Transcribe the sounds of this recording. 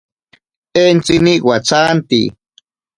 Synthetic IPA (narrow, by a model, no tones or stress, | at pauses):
ent͡siniʔwat͡sant̪ḭ